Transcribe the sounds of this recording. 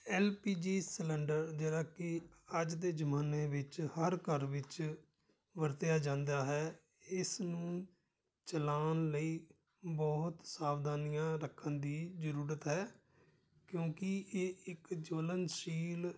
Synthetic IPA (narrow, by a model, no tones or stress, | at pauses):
ɛːlpiːd͡ʒiːsəlɛ̃ːɳɖəɾd͡ʒeːɽaːkɪəd͡ʒd̪eːd͡ʒəmaːneːʋɪt͡ʃhəɾkəɾʋɪt͡ʃ | ʋəɾt̪jaːd͡ʒãːnd̪aːɦɛː | ɪsnũː | t͡ʃəlaːnləiː | bɔːɦt̪saːʋd̪aːnɪjãːɾəkʰːənd̪iːd͡ʒəɾuːɾət̪ɦɛː | kjõːkɪeːɪkd͡ʒoːlənʃiːl